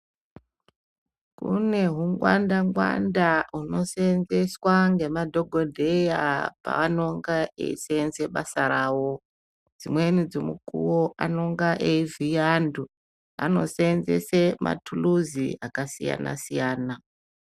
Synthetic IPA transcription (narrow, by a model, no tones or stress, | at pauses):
kṵne̞ɦuŋɡwandaŋɡwa̰ndauno̞senzeswaŋɡe̞madʱo̞ɡʱo̞dʱejapa̰ʋano̞ŋɡaḛiseenzeɓasaɾaːwo̞ | d͡zimwe̞nid͡zomukuwoʔano̞ŋɡaʔeivijandu | a̰no̞̰senze̞̰semʔa̰tʰuluziakasija̰na̰sijaːna